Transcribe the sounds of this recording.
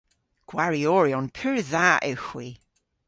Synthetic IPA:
ɡ̥waɹiɔːɹiɔnpʰʉɹðaʔɪxwi

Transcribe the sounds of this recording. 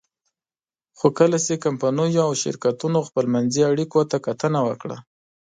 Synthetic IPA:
xokəlasekampanujoawʃɪ̰ɾkat̪unoxpəlmanziaɽikot̪akat̪ənawəkɽa̰

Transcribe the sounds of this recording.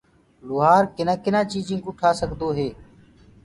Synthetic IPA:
lʊɦaːɾkɪnãːkɪnãːt͡ʃiːd͡ʒĩːkʊʈʰaːsəɡd̪oːɦeː

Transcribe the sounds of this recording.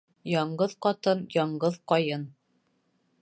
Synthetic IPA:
jɒɴɢɤðqɒt̪ɤnjɒɴɢɤðqɒjɤn

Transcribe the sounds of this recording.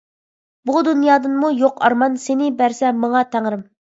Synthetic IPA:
bud̪unjɑːd̪ɨnmujoqʰɑ̰ɾmɑnsenɪbæɾsɛmɑɴɑt̪ʰæŋɾɪm

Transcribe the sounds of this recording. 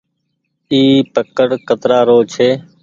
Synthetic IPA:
iːpəkəɽkət̪ɾaːɾoːt͡ʃʰeː

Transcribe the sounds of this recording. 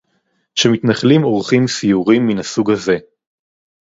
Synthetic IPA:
ʃemit̪naχlimo̞ʁχimsijuʁimːinasuɡhaze̞

